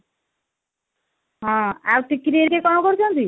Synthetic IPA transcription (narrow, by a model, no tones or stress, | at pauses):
ɦãawʈikɾieɾkekɔmɔkoɾt͡ʃʰɔnt̪i